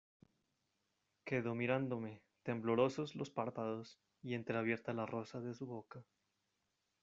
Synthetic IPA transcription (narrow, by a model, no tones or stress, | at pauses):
ke̞ðo̞miɾand̪o̞me̞ | t̪e̞mblo̞ɾo̞so̞zlo̞spaɾpaðo̞s | ie̞nt̪ɾeaβje̞ɾt̪alaro̞saðe̞suβo̞ka